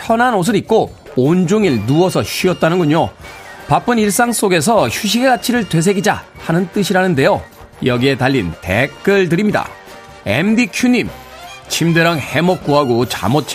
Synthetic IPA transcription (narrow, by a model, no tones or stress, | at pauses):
pʰjʌnɦanos̬ʰɯɾik̚k͈o | ond͡ʑoŋiɭnuwʌsʰʌɕʰɥiʌt̚t͈anɯnɡuɲopap͈ɯniɭs͈aŋs͈oɡe̞s̬ʰʌçuɕʰiɡe̞ɡat͡ɕʰiɾɯɭtwe̞s̬ʰe̞ɡid͡ʑa̰ | hanɯnt͈ɯɕʰiɾanɯnde̞jo | jʌɡie̞taʎːintekk͈ɯɭtɯɾimɲida̰ | ḛmdikʰjuɲim | t͡ɕʰimdeɾaŋhe̞mʌk̚k͈oɦaɡot͡ɕa̰mot͡ɕ͈ʰ